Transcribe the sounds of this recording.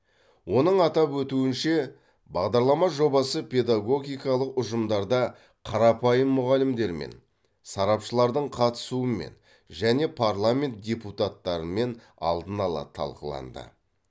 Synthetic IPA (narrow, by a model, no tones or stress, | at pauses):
wo̞n̪əɴɑt̪ɑpwɵt̪uɪnʃe̞ | bɑʁd̪ɑɾlˠɑmɑʒo̞bɑsəpʲʰe̞d̪aɡo̞ɡʲijkɑlˠəqʊʒəmd̪ɑɾd̪ɑ | qʰɑɾɑpɑjəmːʊʁɑlɪmd̪e̞ɾmḛn | sɑɾɑpʃəlˠɑɾd̪əɴqʰɑt̪ə̥suəme̞̰n | ʒæne̞pʰaɾlˠamʲe̞nt̪̚d̪ʲe̞put̪at̪ːɑɾəme̞n | ɑ̰lˠd̪ənɑlˠɑ̰t̪ʰɑ̰lˠqəlˠɑ̰nd̪ə̰